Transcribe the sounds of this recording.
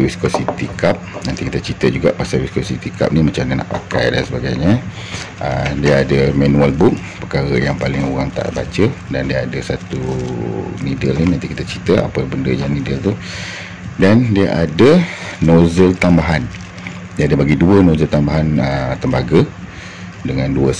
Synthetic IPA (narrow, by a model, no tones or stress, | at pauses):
wiskosit̪ikap̚nant̪ikit̪ət͡ʃit̪əd͡ʒuɡaʔpasalwiskosit̪ika̰p̚nimat͡ʃamnəna̰ʔpa̰ka̰jdansəbaɡajɲə | ʔədiaadəmanualbuk̚pəkaɣəjaŋpalɪŋoɣaŋt̪a̰ʔba̰t͡ʃədandiaadəsat̪u | nidəlninãnt̪ikit̪at͡ʃit̪əa̰pəbəndəjaŋnidəlt̪u | dandiaʔadənozəlt̪ambaɦan | diadəbaɡiduənõzəlt̪ambaɦanət̪əmbaɡə | dəŋãnduə